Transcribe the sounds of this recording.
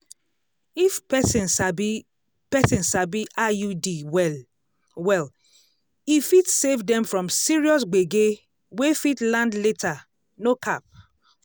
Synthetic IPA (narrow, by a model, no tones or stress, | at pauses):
ifɛsĩnsa | pɛsĩnsabiajudiwɛl | wɛl | ifitsevdɛ̃mfɹɔ̃msiɹiɔs̬ɡ͡beɡe | wefitlãndletʰa | nokʰap̚